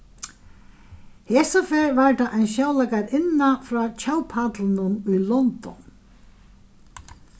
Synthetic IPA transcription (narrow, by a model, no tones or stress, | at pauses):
heːsafɛːɹvaɹd̪aʔajnʃjawlakaɾɪnːafɾɔːt͡ɕʰawpʰat̪lɪnʊnʊjlɔnt̪ɔ̰n